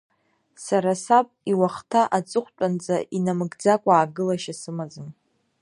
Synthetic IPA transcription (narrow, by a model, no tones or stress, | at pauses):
saɾasapʼiwaχtʰaʔat͡sʼɨχʷt͡pʷʼand͡zʼaʔinamɨɡd͡zakʷʼaːɡɨlaʃasɨmad͡zɨn